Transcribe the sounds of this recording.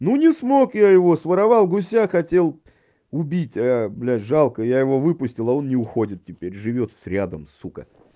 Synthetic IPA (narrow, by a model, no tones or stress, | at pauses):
nunʲɪsmo̞kjajɪvo̞svəɾɐvɑlˠɡʊs̬ʲaxɐtʲe̞lˠ | ʊbʲitʲablʲæʐalˠkəjajɪvo̞vɨpʊsʲtʲɪlˠɐo̞nnʲɪʊxodʲɪt̪̚tʲɪpʲeɾʲʐɨvʲo̞t̪sɾʲad̪əmsukə̰